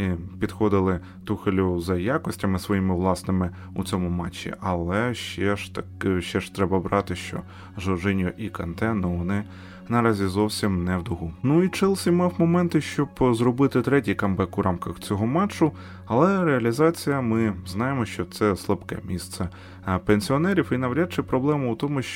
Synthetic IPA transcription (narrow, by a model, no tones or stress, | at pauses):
ipʲid̪xɔd̪ɪlˠɪ | t̪uxelʲʊzɐjakɔsʲtʲɐmɪsʋɔjimɪʋlˠɑsnɪmɪ | ṵt͡sʲɔmʊmɑt͡ʃːḭʔɐlˠɛʃt͡ʃɛʃt̪ɐkʃt͡ʃɛʃt̪ɾɛbɐbɾʔɑt̪ɪʃt͡ʃɔ̰ | ʒɔʒɪnʲjʊʔikɐnt̪ɛnɔʋɔnɪ | nɐɾɑzʲizɔwsʲimnɛwd̪ʊɦunuit͡ʃɪlˠsʲimɑwmɔmɛnt̪ɪʃt͡ʃɔbzrɔbɪt̪ɪt̪ɾɛtʲijkɐmbɛkʊɾʔɑmkɐxt͡sʲɔɦɔmɑt͡ʃːʊ | ɐlˠɛɾeɐlʲizɑt͡sʲijɐmɪznɑjemɔʃt͡ʃɔt̪sɛslˠɐpkɛ̰mʲist̪sɛ | penʲsʲiɔnɛɾʲifinɐwɾʲat͡ʃɪpɾɔblˠɛmɐut̪ɔmʊʃt͡ʃ